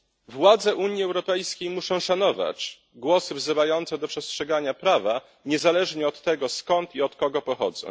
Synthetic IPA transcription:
vwad̪zɛʔuɲjiɛwɾɔpɛjskʲejmuʂɔ̃w̃ʂanɔva̰t͡ɕ | ɡwɔsɘvzɘvajɔnt̪sɛd̪ɔpʂɛstʂɛɡaɲapɾava | ɲɛzalɛʐɲɛɔt̪ːɛɡɔskɔnt̪iɔt̪kɔɡɔpɔxɔ̰d̪zɔ̰̃w̃

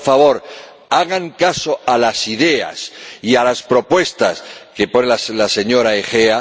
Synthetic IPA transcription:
faβo̞ɾ | aɣaŋkasoalasiðe̞a̰sialaspɾo̞pwe̞st̪askeponelslase̞ɲo̞ɾaexea

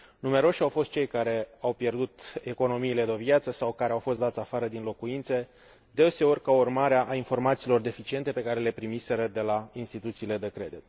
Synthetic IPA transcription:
nume̞ɾo̞ʃʲawfo̞st̪̚t͡ʃe̞jkaɾe̞awpje̞rd̪ut̪eko̞no̞miːle̞d̪ovjat̪səsawkaɾe̞awfo̞st̪d̪at̪sʲafaɾəd̪inlo̞kuint̪se̞ | d̪e̞se̞o̞rʲkaurmaɾeaʔːinfo̞rmat̪siːlo̞rd̪e̞fit͡ʃient̪e̞pe̞kaɾe̞le̞pɾimise̞ɾəd̪e̞lainst̪it̪ut̪siːle̞d̪e̞kɾe̞d̪it̪

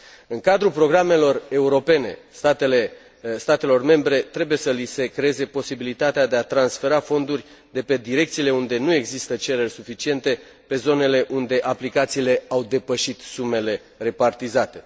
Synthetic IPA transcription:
ɨŋkad̪ɾupɾo̞ɡɾame̞lo̞re̞uɾo̞pe̞ne̞̰st̪at̪ele | st̪at̪e̞lo̞rme̞mbɾe̞t̪ɾe̞buje̞səlise̞kɾeeze̞po̞sibilit̪at̪ead̪e̞at̪ɾansfe̞ɾafo̞nd̪urʲ | d̪e̞pe̞d̪iɾe̞k̚t̪siːle̞und̪e̞nue̞ɡzist̪ət͡ʃe̞ɾe̞rʲsufit͡ʃie̞nt̪e̞ | pe̞zo̞ne̞le̞ʔund̪e̞ʔaplikat̪siːle̞awd̪e̞pəʃit̪sume̞le̞ | re̞part̪izat̪e̞

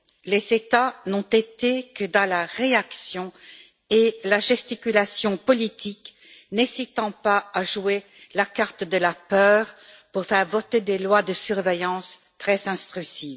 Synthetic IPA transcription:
lezet̪anɔ̃t̪et̪ekəd̪ɑ̃laʁeaksjɔ̃ | elaʒɛst̪ikʲylasjɔ̃pɔlit̪ʰik | nɛsit̪ɑ̃paːʒue | lakaʁt̪d̪əlapœːʁ | puʁfɛʁvɔt̪ed̪elwad̪əsyʁvejɑ̃s | t̪χɛzɛ̃st̪χysiːv

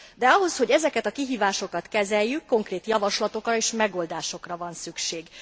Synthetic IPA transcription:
d̪ɛɒɦo̞sho̞ɟɛzɛkɛt̪ɒkiɦiːvaːʃo̞kɒt̪kɛzɛjːykːo̞ŋkreːt̪jɒvɒʃlɒt̪o̞krɒeːʃmɛɡo̞ːld̪aːʃo̞krɒvɒnsykʃeːɡ

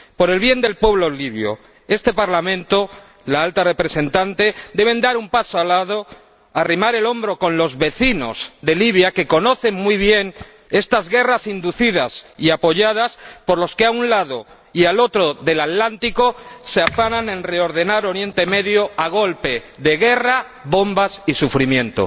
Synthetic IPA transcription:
po̞ɾe̞lβje̞nd̪e̞lpwe̞βlo̞liβ̞jo̰ | e̞st̪e̞paɾlamẽ̞nt̪o | laalt̪are̞pɾe̞se̞nt̪ant̪e̞d̪e̞βe̞nd̪aɾumpasoalað̞o | arimaɾe̞lo̞mbɾo̞ko̞nlo̞zβe̞θino̞̰zðe̞liβ̞jake̞ko̞no̞θe̞ŋmwiβ̞je̞n | e̞st̪azɣe̞rasind̪uθið̞asiapo̞ʝað̞aspo̞ɾlo̞skeaunlað̞o̞ | ialo̞t̪ɾo̞ðe̞lat̪lant̪iko̞seafanãne̞nre̞o̞ɾðe̞naɾo̞ɾje̞nt̪e̞me̞ðjoaɣ̞o̞lpe̞ | ðe̞ɣe̞ra | βo̞mbasisufɾimjẽ̞nt̪o̰

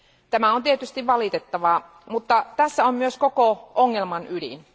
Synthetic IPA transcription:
t̪æmæont̪iet̪yst̪iʋʋɑlit̪et̪ːɑʋɑ | mut̪ːɑt̪æsːæommyøskokoʔoŋːelmɑnydḭn

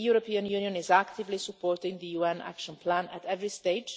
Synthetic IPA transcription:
juɾopĩə̃njũnijə̃nɪzækt̪ɪvlisəpɔːɹtɪ̃ŋðɨjuɛ̃næ̰kʃə̃npʰlæ̃nə̰tɛvɹisteɪ̥d͡ʒ

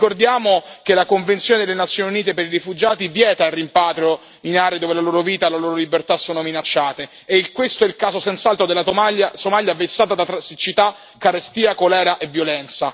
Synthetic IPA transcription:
kord̪jaːmokelakoɱvent̪sjoːned̪elenat̪sːjoːniuniːt̪epeɾiɾifud͡ʒaːt̪ivjɛːt̪airːimpaːt̪ɾjo | inaːɾeed̪oːvelaloːɾoviːt̪alaloːɾolibert̪asːoːnominat͡ʃːaːt̪e | eikwest̪oɛilkaːzosɛnt̪salt̪ɾod̪elaaasomaljavesːaːt̪ad̪at̪ɾasit͡ʃːit̪a | kːaɾest̪iːakolɛːɾaʔevjolɛnt̪sa

